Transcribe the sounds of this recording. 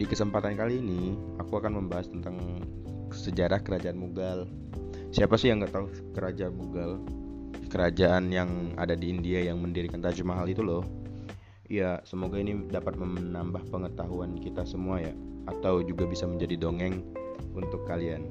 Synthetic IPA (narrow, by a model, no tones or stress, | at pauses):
dikəsəmpat̪ankaliːni | akuakanməmbaɦast̪ənt̪aŋ | səd͡ʒaɾahkəɾad͡ʒaʔanmuɡal | siapasijaŋɡaʔt̪aʊh | kəɾad͡ʒaanmuɡal | kəɾad͡ʒaʔanjaŋa̰dadiːndiajaŋməndiɾikant̪ad͡ʒumaɦalit̪ulɔh | ijasəmoɡainidapat̪̚məmnambahpəŋət̪aɦuankit̪asəmuajaat̪awd͡ʒuɡabisaməɲd͡ʒadidoŋɛŋ | unt̪ʊkːalian